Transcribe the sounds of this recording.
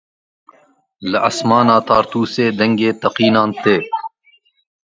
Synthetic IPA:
lɐʔɐsmaːnaːt̪aːɾt̪uːseːd̪ɐŋɡeːt̪ɐqiːnaːnt̪eː

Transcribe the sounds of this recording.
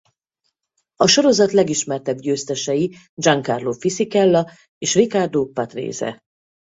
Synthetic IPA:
ɒʃo̞ɾo̞zɒt̪lɛɡiʃmɛrt̪ɛbɟøːst̪ɛʃɛji | d͡ʒɒŋkarloːfisikɛlːɒ | eːʃrikard̪oːpɒt̪rḛːzɛ̰

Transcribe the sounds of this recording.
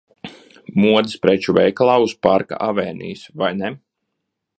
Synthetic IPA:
muɔd̪ispɾɛt͡ʃuvʲɛjklˠaːuspaɾka̰ʔavɛːnḭːsvajnɛ

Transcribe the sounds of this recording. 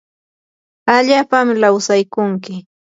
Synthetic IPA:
aʎaːpamlawsajkʊŋkɪ

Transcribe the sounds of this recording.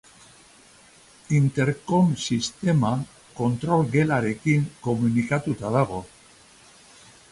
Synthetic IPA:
int̪e̞ɾko̞msist̪e̞ma | ko̞nt̪ɾo̞lɣe̞laɾe̞kiŋko̞munikat̪ut̪aðaɣ̞o̞

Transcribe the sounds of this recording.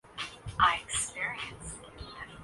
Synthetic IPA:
ʔaɪɨkspɪɹiɨ̃ns

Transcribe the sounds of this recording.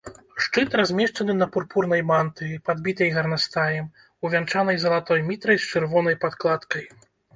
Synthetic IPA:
ʂt͡ʂɨt̪ɾazʲmʲɛʂt͡ʂɐnɨnɐpurpurnɐjmant̪ɨvʲipad̪bʲit̪ɐjɣɐrnast̪ajɛm | uvʲant͡ʂanɐjzɐlˠat̪ɔjmʲit̪ɾɐjst͡ʂɨrvɔnɐjpat̪klˠat̪kɐj

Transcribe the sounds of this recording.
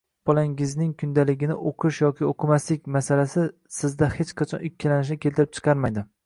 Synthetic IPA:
b̥ɒlaŋɪznɪŋkʰʊnd̪alɪɡʲɪnɪ̰ʔoqʰɨʃjɒkʲɪoqʰɨmaslɪk̚ʲmasalasɪ | sɪzd̪ahet͡ʃqʰɑt͡ʃʰɒnʊkʲʰːalanɪʃ̬ɪkʲʰelt̪ɪɾɪp̚t͡ʃʰɨ̥qʰɑɾmajd̪ɪ

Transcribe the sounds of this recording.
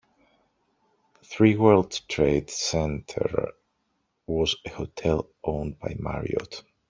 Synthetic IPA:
θɹiwɜ˞lˠdtʰɹeɪd̥sɛ̃ntʰə̰˞ | wɔzɨhotʰɛlˠ | ʔõʊ̃nbaɪma̰ɹḭɔ̰t

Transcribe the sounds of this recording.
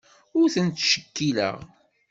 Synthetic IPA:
ʊɾθənt̪ʃə̥kːilə̰ʁ

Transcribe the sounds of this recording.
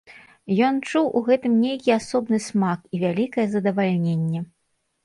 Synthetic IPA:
jɔnt͡ʂuwʔuɣɛt̪ɨmnʲejkʲiasɔbnɨsmakivʲalʲikɐjɛzɐd̪ɐvalʲnʲenʲːɛ

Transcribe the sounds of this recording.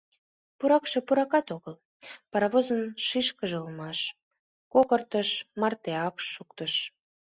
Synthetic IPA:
puɾɑkʃĕpuɾɑkɑt̪oɣəl | pɑɾɑβozənʃiʃkəʒeulmɑʃ | kokərt̪əʃmɑrt̪eɑkʃuk̚t̪əʃ

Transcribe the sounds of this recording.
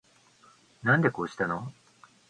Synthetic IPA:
nãnd̪e̞ko̞ːɕi̥t̪ano

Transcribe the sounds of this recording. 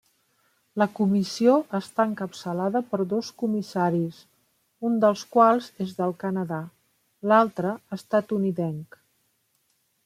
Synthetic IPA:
ləkumisioʔəst̪aəŋkəpsəlaðəpəɾðoskumisaɾis | und̪əlˠskwalˠzezðəlˠkənəða | lalˠt̪ɾəəst̪at̪uniðɛŋk

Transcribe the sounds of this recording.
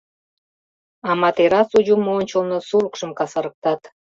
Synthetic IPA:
ɑmɑt̪eɾɑsud͡ʑumːonʲt͡ɕolˠnəsuɾukʃəmkɑsɑɾə̆k̚t̪ɑt̪

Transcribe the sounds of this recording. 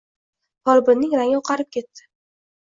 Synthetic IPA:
pɒlbɪnːɪŋɾaŋɪoqʰɑɾɪp̚kʲʰe̞t̪ːɪ̥

